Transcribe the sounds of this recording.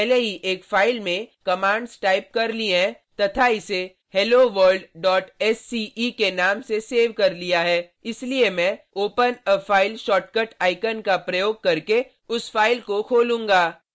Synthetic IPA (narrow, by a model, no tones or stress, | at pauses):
pɛɦleɦiʔeːkfaːɪlmẽkɐmãːɳɖsʈaːɪp̚kɐɾliẽ | t̪ɐt̪ʰaɪse | hɛːloʋəɾɖɖɔːʈɛsːiːikenaːmseseːʋkɐɾlijaɦɛː | ɪsliemɛ̃oːpənəfʰaːɪlʃɔːʈkəʈaːɪkənkapɾɐjoːɡ̚kɐɾke | ʊsfaːɪlkokʰoːlũːŋɡaː